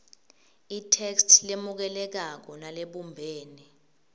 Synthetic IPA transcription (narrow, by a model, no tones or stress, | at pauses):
itʰɛkstʰlemuk̬ɛlɛk̬ak̬ɔnaleɓumbʱeːni